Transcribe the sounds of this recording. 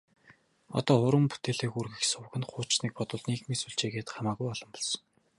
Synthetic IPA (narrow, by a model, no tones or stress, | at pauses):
ɔ̰t̪ɔːχʊɾwə̆mpu̥t̪eːɮeːxurɣɘ̆xsʊw̆ɣɘ̆nχʊːt͡ɕniːk̚pɔt̪ʊ̆ɮniːkmisuɮt͡ɕeːɣeːt̪χamaːɣujɔɮɞ̆mpɔ̥ɮsɞ̥̆ŋ